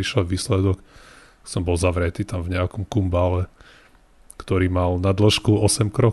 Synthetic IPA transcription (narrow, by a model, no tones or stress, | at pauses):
iʃɛʋiːslɛd̪ɔk | sɔmbɔlˠzaʋɾɛt̪iːt̪amvɲɛakɔmkumbalɛ | kt̪ɔɾiːmalnad̪l̩ʃkuɔsɛmkɾɔ